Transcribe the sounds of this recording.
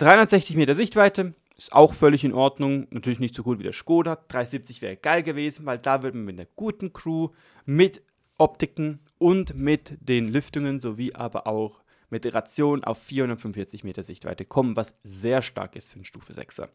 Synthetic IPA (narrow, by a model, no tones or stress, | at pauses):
d̥ʁaɪʊnɐtz̥ɛçt͡sɪçmeːtɐzɪçtv̥aɪtə | ɪsta̰ʊxfœlɪçɪnʔɔɐdnʊŋnatʰyːɐlɪçnɪçtz̥oɡuːtv̥iːdḛɐʃkoːdad̥ʁaɪziːp̚t͡sɪçv̥ɛːʁ̞əɡ̥aɪlɡəveːzn̩vaɪldaːvɪɐdəmanmɪt̚d̥eːɐɡ̥uːtn̩kʁ̥uː | mɪt | ʔɔptɪkŋ̩ | ʔʊntmɪtd̥eːnlʏftʊŋənzoviːʔa̰ːbɐ̰ʔaʊx | mɪt̚d̥eʁat͡sjoːnnʔa̰ʊfiːɐʊndɐtfʏmfɪɐt͡sɪçmḛːtɐzɪçtv̥a̰ɪtəkʰɔmənvasz̥eːɐʃta̰ɐkɪstfyːɐdnʃtṵːfəzɛ̰ksɐ̰